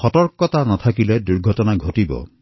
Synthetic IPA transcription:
xɔtɔɾkɔt̪anɔt̪ʰakiled̪uɾɡʱɔtɔnaɡʱotibɔ̰

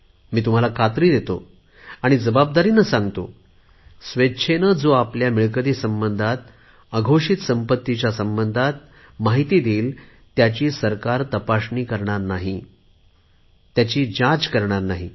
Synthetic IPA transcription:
miːt̪um̤alakʰat̪ɾiːd̪et̪o | aɽ̃id͡zəbab̚d̪aɾiːnəsãŋɡt̪o | sʋetːɕʰenəd͡zoapljamiɭkəd̪iːsəmbənd̪ʱat̪̚ | əɡʱoʂit̪səmpət̪ːit͡ɕjasəmbənd̪ʱat̪̚ | maɦit̪iːd̪iːl | t̪jat͡ɕiːsəɾkaɾt̪əpaɕɳiːkəɾɳaɾnaɦi | t̪jat͡ɕiːd͡ʑãt͡skəɾɳaɾnaɦi

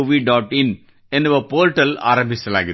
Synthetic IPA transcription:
ʋiːɖaːʈɪn | ɛnɯʋɐpoːɾʈɐla̰ːɾɐmbɪsɐla̰ːɣɪ

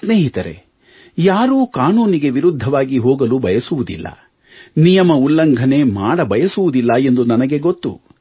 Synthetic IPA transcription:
sne̞ːɦit̪ɐɾe̞̰ | jaːɾuːkaːnuːniɡe̞ʋiɾud̪ʱːɐʋaːɡiɦoːɡɐlubɐjɐsuʋud̪ḭlːɐ̰ | nijɐmɐulːɐŋɡʱɐne̞ːmaːɽɐbɐjɐsuʋud̪ilːɐe̞nd̪unɐnɐɡe̞ɡot̪ːṵ

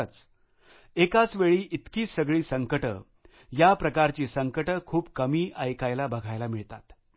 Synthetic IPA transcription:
ət͡s | ekat͡sʋeɭiːʔit̪kiːsəɡɭiːsəŋkəʈə̰ | japɾəkaɾt͡ɕiːsəŋkəʈəkʰuːpkəmiːʔəjkajlabəɡʱajlamiɭt̪a̰t̪

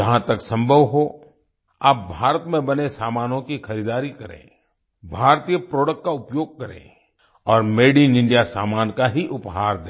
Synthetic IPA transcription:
d͡ʒɐɦãt̪ɐksɐ̃mbʱəʋɦo | aːp̚bʱaːɾət̪mẽbɐnesaːmaːnõkixɐɾiːd̪aːɾikɐɾḛ̃ː | bʱaːɾt̪ijəpɾoːɽək̚ʈkaʊpjoːɡ̚kɐɾḛ̃ː | ɔːɾmeːɖinɪ̃ɳɖijasaːmaːnkaɦiʔʊpɦaːɾd̪ẽː

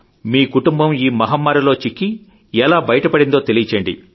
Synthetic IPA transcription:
miːkuʈumbɐmiːmɐɦɐmːaːɾɐlo̞ːt͡ʃikːi | ɛlaːbɐjɐʈɐpɐɽind̪oːt̪elit͡ʃɐɳɖḭ

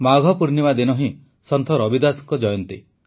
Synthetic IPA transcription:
maɡʱɔpuɾnimad̪inɔɦĩ | sɔnt̪ʰɔɾɔbid̪asɔ̥ŋkɔd͡ʒɔjɔnt̪i

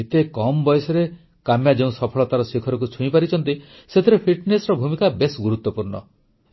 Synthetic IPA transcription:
et̪ekɔmɔbɔjsɔɾe | kamjad͡ʒeũsɔpʰɔɭɔt̪aɾɔsikʰɔɾɔk̬ut͡ʃʰuĩpaɾit͡ʃʰɔnt̪i | set̪ʰiɾepʰiʈnesɾɔbʱumikabesɡuɾut̪wɔpuɾɳɔ

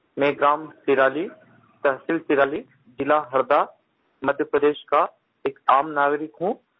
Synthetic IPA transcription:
mɛ̃ːɡɾaːmt̪ɪɾaːli | t̪ɐɦsilt̪ɪɾaːli | d͡ʒɪlaɦɐɾd̪a | mɐd̪ʱjəpɾəd̪eːʃka | eːkaːmnaːɡɾɪkɦũ

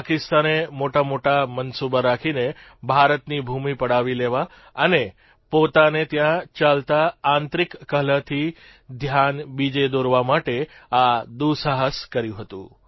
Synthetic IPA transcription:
pakɪst̪anemoʈamoʈamənsubaɾakʰine | bʱaɾət̪nibʱumipəɽaʋileʋa | əne | pot̪anet̪jãt͡ʃalt̪ãːnt̪ɾikːəɦlət̪ʰi | d̪ʱjanbid͡ʒed̪oɾʋamaʈead̪usaɦəskəɾjũɦət̪ṵ̃

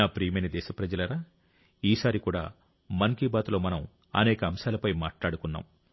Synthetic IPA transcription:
aːpɾiːmenɐd̪ɛːʃɐpɾɐd͡ʒɐlɐɾaː | iːsaːɾikuːɽa̰ː | mɐŋkiːbaːt̪lo̞ːmɐnɐm | ɐ̰nɛːkɐːmʃaːlɐpɐjma̰ːʈlaːɽukunːa̰ːm

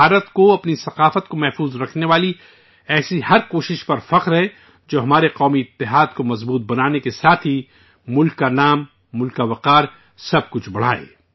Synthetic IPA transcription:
aːɾət̪koɐpnisɐqaːfət̪komɛɦfuːzɾɐkʰneʋaːli | ɛːsihɐɾkoːʃɪʃpɐɾfɐqɾɦɛ | d͡ʒoːɦɐmaːɾeqɔːmiɪt̪ːɪɦaːd̪komɐzbuːt̪̚bɐnaːnekesaːt̪ʰɦi | mʊlkːanaːmː | ʊlkaʋɐqaːɾ | sɐb̚kʊt͡ʃʰbɐɽ̤a̰ːḛː

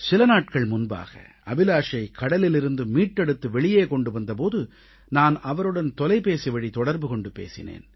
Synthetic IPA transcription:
sɪlɐnaːʈ̚kɐɭmʊnba̰ːɣɐ̰ | ɐbɪlaːʂɐɪkʰːɐɽɐlɪlɪɾɯnd̪ɯmiːʈːɛɽɯt̪ːɯʋɛɭɪjeːkɔɳɖɯʋɐnd̪ɐp̬oːðɯ | naːnɐʋɐɾɯɽɐnt̪ɔlɐɪpeːsiʋɐɽit̪ɔɽɐɾbɯkɔɳɖɯpḛːsɪ̰nḛːn

